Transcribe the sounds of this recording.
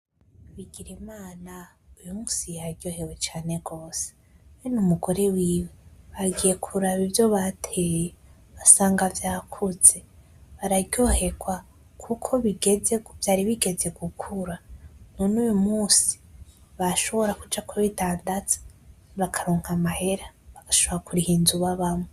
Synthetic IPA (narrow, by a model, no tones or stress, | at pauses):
βiɡiɾimaːna | ujumuːsijaɟo̞ːhe̞ɡwet͡ʃaːne̞ɡo̞ːse̥ | wenumuɡo̞ɾe̞wiːwe̞βaɡije̞kʰuɾaβivjo̞βatʰeje | βasaːŋɡavjaːkʰuz̥e̞ | βaɾaɟo̞ːhe̞ɡwa | kʰukʰo̞βiɡezev̥jaːɾiβiɡe̞ze̞ɡukʰuɾanunuːjumuːsi̥βaʃo̞βo̞ɾakud͡ʒakuβidaːndat͡sḁ | βakʰaɾoːŋ̥hamahe̞ɾaβaɡ̥aʃoβoɾakuɾihiːnzuβaβame